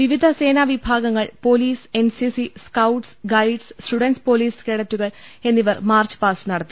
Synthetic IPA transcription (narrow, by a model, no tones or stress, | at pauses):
ʋiʋid̪ʱɐse̞ːnaːʋibʱaːɡɐŋːɐɭpo̞ːliːse̞nsisiskɐwʈsɡɐjɖsːʈuɽɐnʈspo̞ːliːskeːɽɐtːuɣɐɭe̞nːiʋɐrmaːrt͡ɕɨ̥paːsɨnɐɽɐt̪ːi